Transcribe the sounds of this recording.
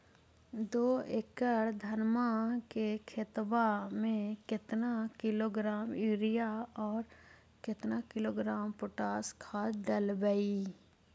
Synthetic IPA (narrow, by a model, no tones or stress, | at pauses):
d̪oːekəɽd̪ʱənmakekʰet̪ʋamẽkɪt̪nakɪloːɡɾaːmiːɾijaɔːɾ | kɪt̪nakɪloːɡɾaːmpʊʈaːskʰaːd̪əlbəi